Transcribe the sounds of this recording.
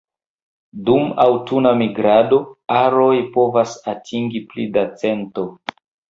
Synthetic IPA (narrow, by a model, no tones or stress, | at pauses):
duma̰wtunamiɡɾado̞aɾo̞jpo̞vasatʰiŋɡiplidat͡se̞nto̞